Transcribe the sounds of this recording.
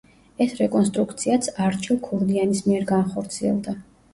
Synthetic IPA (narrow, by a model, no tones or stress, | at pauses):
ɛsɾɛkʼɔnst̪ʼɾukt̪sʰiat̪sʰaɾt͡ʃʰilˠkʰɔɾd̪ianismiɛɾɡanχɔɾt̪sʰiɛ̰lˠd̪a